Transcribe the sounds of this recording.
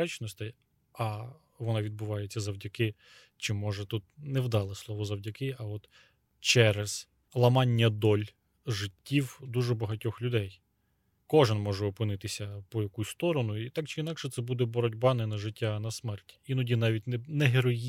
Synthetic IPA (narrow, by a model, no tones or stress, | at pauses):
ɛt͡ʃnɔst̪ɪj | ɐ | ʋɔnɑʋʲid̪̚bʊʋɑjet͡sʲːɐzɐwdʲɐkɪ | t͡ʃɪmɔʒɛt̪ut̪̚nɛwd̪ɑlˠɪslˠɔʋɔzɐwdʲɐkɪɐɔt̪ | t͡ʃɛɾɛz̥ | lˠɐmɑnʲːɐd̪ɔlʲ | ʒɪtʲːiwd̪uʒɛbɐɦɐtʲɔxlʲʊd̪ɛj | kɔʒɪnmɔʒɛɔpɪnɪt̪ɪsʲɐpɔjɐkusʲst̪ɔɾɔnʊit̪ɑkt͡ʃɪinɑkʃɛt̪sɛbud̪ɛbɔɾɔdʲbɑnɛnɐʒɪtʲːanɐsmɛrtʲi̥inɔdʲinɑʋʲitʲnɛnɛɦeɾɔji